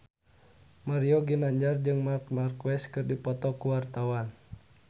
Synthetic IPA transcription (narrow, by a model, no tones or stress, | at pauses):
maɾiɔɡinaɲd͡ʒard͡ʒɨŋmarkmarkɛskɨrdipɔt̪ɔkuwart̪awan